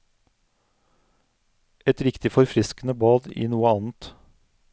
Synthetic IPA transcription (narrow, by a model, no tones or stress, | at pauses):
ɛt̪ɾɪkt̪ɪfɔɾfɾɪskn̩əbɑːd̪ḭːnuːəɑːn̩t̪